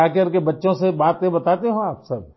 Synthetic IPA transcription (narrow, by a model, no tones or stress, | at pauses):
aːkəɾkebɐtːʃõsebaːt̪ẽbɐt̪aːt̪eɦũaːpsɐb̚